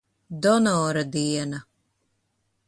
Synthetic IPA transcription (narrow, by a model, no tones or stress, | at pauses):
d̪ɔnɔːɾad̪iɛna